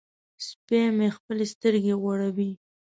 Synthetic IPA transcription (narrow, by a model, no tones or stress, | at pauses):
spemexpəlest̪əɾɡeɣwaɽawi